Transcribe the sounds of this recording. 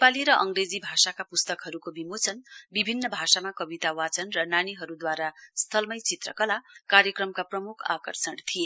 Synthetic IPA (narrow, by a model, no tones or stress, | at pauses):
nepaliɾʌʔʌŋɡred͡zibʱasakapust̪ʌkɦʌɾukobimot͡sʰʌnbibʱinːʌbʱasamakʌbit̪awat͡sʌnrʌnaniɦʌɾud̪waɾast̪ʰʌlmʌjt͡sit̪rʌkʌlakaɾjʌkrʌmkaprʌmukʰa̰kʌrsʌɳt̪ʰie